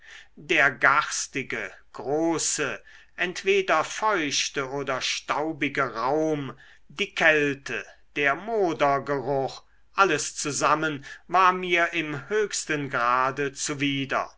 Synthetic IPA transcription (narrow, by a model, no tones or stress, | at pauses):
deːɐɡaʁstɪɡəɡ̥ʁoːsəʔɛntv̥eːdɐfɔʏʃtəʔoːdɐʃtaʊbɪɡəʁaʊm | diːkʰɛltʰəd̥eːɐmoːdɐɡəʁʊχ | ʔaləst͡suzamənvaːɐmiːɐʔɪmhøːçstənɡʁaːdət͡suviːdɐ̰